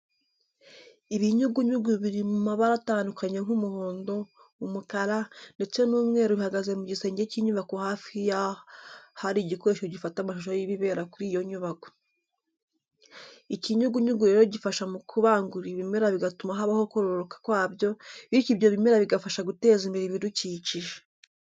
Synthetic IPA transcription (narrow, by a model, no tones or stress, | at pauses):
iβiɲuɡuɲuɡuβiɾimumaβaɾataːndukʰaɲe̞ŋ̥umuho̞ːndo̞ | umukaɾande̞t͡se̞nuːmŋe̞ːɾoβihaɡaze̞muɟise̞ːɲɟeciɲuβakohaːfija | haɾiɟikoɾe̞ʃoɟifatamaʃoʃojiβiβe̞ːɾakuɾiːjo̞ɲuβako̥ | iciɲuɡuɲuɡuɾe̞ɾoɟifaʃamukʰuβaːŋɡuɾiβimeɾaβiɡatumaɦaβahokoɾoɾokḁkwaːβjo̞βiciβjo̞βime̞ɾaβiɡafaʃaɡute̞ːzimiɾiβiduciːciʒe